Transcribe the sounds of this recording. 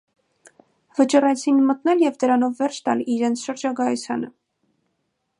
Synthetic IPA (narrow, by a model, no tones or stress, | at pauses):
vət͡ʃɔrɛt͡sʰinmət̪nɛljɛvd̪əɾɑnɔvːɛɾʃt̪ɑ̰liɾɛnt͡sʰʃəɾd͡ʒɑɡɑɛsɑnə